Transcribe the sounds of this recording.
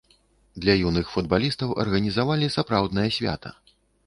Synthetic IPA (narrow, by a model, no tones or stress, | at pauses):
d̪lʲɐjunɨxfud̪̚balʲist̪ɐwʔɐ̰rɣɐnʲizavalʲisapɾawd̪nɐjɐsʲvʲa̰t̪ʰɐ̰